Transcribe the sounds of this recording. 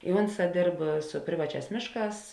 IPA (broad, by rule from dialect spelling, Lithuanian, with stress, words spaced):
ɪ ˈʊnˌsɑː ˈdʲeːrp sʊ ˈpʲrʲɪʋɐˌt͡ʃʲæːs ˈmʲeːʃˌkɑːs